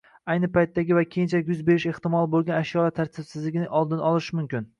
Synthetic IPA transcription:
ajnɪpajt̪ːaɡʲɪvakʲʰejɪnt͡ʃʰakʲjʊzbe̞ɾɪʃeht̪ɪmɒlˠbolˠɡʲanaʃjɒlat̪ʰaɾt̪ʰɪbsɪzlɪɡʲɪnɪʔɒlˠd̪ɪnɒlˠɪʃmʊmkʲɪn

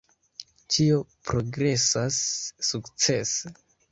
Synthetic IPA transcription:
tʰio̞pɾo̞ɡɾe̞sasːukt͡se̞se

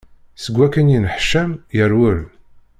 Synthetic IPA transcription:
səɡʷːækːænjinəħʃæmjəɾwəɾ

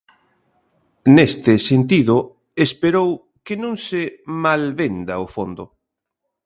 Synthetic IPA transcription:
nest̪ɪsent̪iðʊ | espeɾow | kɪnũŋsɪmalβend̪aofond̪ʊ

